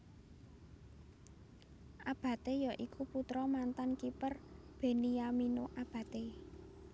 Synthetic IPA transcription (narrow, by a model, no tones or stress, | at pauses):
ʔab̥ä̤t̪ejaʔikʰuput̪ɾɔmant̪ankipər | b̥e̤niaminoʔab̥ä̤t̪e